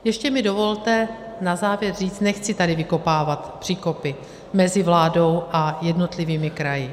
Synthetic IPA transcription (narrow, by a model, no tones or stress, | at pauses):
jɛʃcɛmɪdo̞vo̞lt̪ɛ | nazaːvjɛrriːt͡st̪nɛxt͡sɪt̪adɪvɪko̞paːvat̪pr̥iːko̞pɪ | mɛzɪvlaːdo̞wʔajɛdno̞t̪lɪviːmɪkɾajɪ